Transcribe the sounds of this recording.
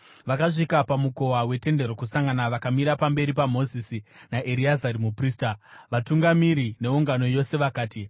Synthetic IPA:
ʋakaʐikapamuko̞wawe̞te̞nde̞ɾokusaŋɡanaʋakamiɾapambe̞ɾipamo̞zisinaʔeɾiazaɾimupriːstaʋatuŋɡamiɾine̞uŋɡano̞jo̞se̞ʋakaːti

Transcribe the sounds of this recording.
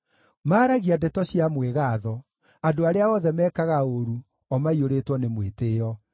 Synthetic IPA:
maːɾaɣiadɛtɔɕiamweɣaːðɔ | adoaɾeaɔðɛmɛːkaɣaoɾu | ɔmaioɾetwɔnemweteːɔ

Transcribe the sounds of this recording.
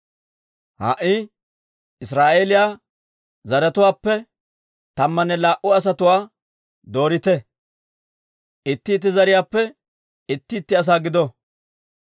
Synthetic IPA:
ha̰ːʔɪ | ɪsɾaːʔeːlɪjaː | zɐɾɛt̪ʊwaːpːɛ | t̪ɐmːɐnɛlaːʔʊɐs̬ɐt̪ʊwaː | d̪o̞ːɾɪt̪ɛ | ʔɪt̪ːɪːt̪̬ːɪzɐɾɪjaːpːɛ | ɪt̪ːɪːt̪ːɪɐs̬aːɡɪd̪ɔ

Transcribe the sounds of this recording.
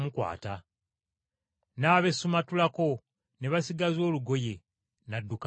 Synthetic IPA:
mukwa̰ːta | naːβe̞sumatulako̞ | ne̞βasiɡazo̞ːluɡo̞je̞ | nadːuk

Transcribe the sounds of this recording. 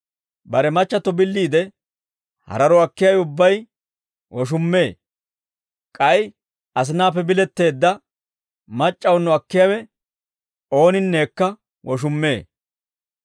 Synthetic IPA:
bɐɾɛmɐt͡ʃːɐt̪ːɔbɪlːiːd̪ɛ | hɐ̰ɾɐɾɔɐkːɪjɐwɛʊbːɐj | wɔʃ̬ʊmːe̞ː | kʼɐj | ʔɐs̬ɪnaːpːɛbɪlɛt̪ːe̞ːd̪ːɐ | mɐt͡ʃʼːɐwnːɔɐkːɪjɐwɛ | o̞ːnɪnːe̞ːkːɐ | wɔʃ̬ʊmːe̞ː

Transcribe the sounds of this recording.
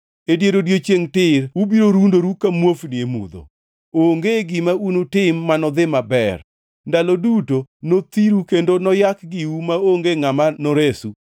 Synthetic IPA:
edjeɾodjet͡ʃjeŋtɪɾubiɾoɾundoɾukamwofniemṵd̪o̰ | oŋɡeɡɪmaunutɪmːanɔd̪ɪmabɛr | ndalodutonot̪iɾukendonɔjakɡɪwumaoŋɡeŋamanɔɾesu

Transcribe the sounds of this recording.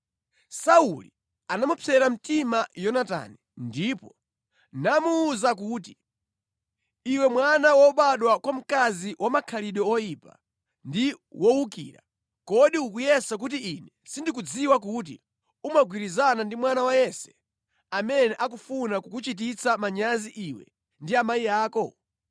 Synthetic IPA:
sauli | anamupʰɛɾam̩timajɔnata̰ːnɛ | ndiːpɔ | namuːzak̬uːt̬i | iwɛmwanawɔɓaɗwakwam̩kaziwʔamakʰaliɗɔɔjipa̰ | ndi | wɔwukḭːɾa̰ | kɔɗiukujɛsak̬utiinɛsindik̬ud͡ziwak̬ut̬ḭ | umaɡwiɾizanandimwanawajɛsɛ̥ | amɛnɛʔakufunakukut͡ʃit̬it͡samaɲaziʔiwɛ̰ | ndiamaijaːkɔ

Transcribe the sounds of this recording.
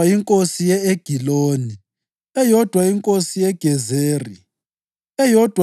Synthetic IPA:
aiŋkʼosijɛeɡ̥ʱiloːni | ɛjɔd̥ʱwaiŋkʼosijɛɡ̥ʱɛzeːri | ɛjɔd̥ʱw

